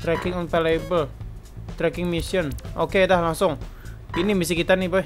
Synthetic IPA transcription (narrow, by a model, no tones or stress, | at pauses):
t̪ɾɛkɪŋɔnpalajbəl | t̪ɾɛkɪŋmisiənʔokedahlaŋsʊŋinimis̬ikit̪anibə